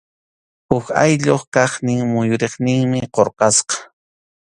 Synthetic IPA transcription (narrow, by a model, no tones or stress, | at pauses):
ʊxa̰jʎoχkɑχnɪŋmʊjʊɾeχnɪŋmɪqoɾqɑsqɑ̥